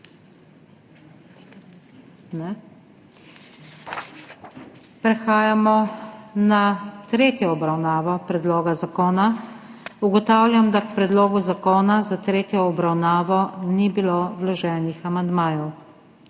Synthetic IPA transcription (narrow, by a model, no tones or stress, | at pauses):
nɛ | pɾɛxaːjamɔnat̪ɾeːt̪jɔɔbɾawnaːʋɔpɾɛd̪loːɡazakoːna | uɡɔt̪aːwlʲjamd̪akpɾɛd̪loːɡuzakoːnazat̪ɾeːt̪jɔːbɾawnaːʋɔnibilowlɔʒɛːnixamand̪maːjɔw